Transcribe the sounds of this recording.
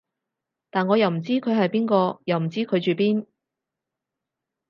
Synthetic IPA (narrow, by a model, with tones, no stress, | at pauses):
t̪aː˨˩nŋɔː˨˧jɐ˨wm̩˨˩t͡siː˥kʰɵ˨˧ɥɦɐ˨jpiː˥nkɔː˧jɐ˨wm̩˨˩t͡siː˥kʰɵ˨˧ɥt͡ʃyː˨˩piː˥n